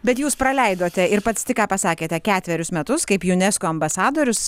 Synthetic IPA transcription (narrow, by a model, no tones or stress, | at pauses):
bʲɛt̪juːspɾɐlʲɛɪd̪oːt̪ʲɛɪɾpɐt̪st̪ʲɪkɑːpɐsɑːkʲeːt̪ʲɛkʲæːt̪ʲʋʲɛɾʲʊsmʲɛt̪ʊskɐɪpjʊnʲɛskoːɐmbɐsɑːd̪oːɾʲʊs